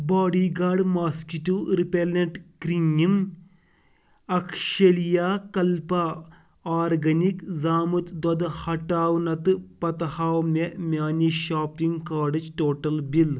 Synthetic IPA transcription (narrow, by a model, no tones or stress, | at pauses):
baːɖiɡaːɖmaːskituɾipelɐɳʈkɾiŋim | ɐkʂɐlijaːkɐlpɐ | aːɾɡɐnikzaːmut̪d̪ɐd̪hɐʈːaːʋnɐt̪ɨpɐt̪ɐhaːmemʲjaːniʃaːpiŋɡkaːɖɨt͡ʃʈoːʈɐlbil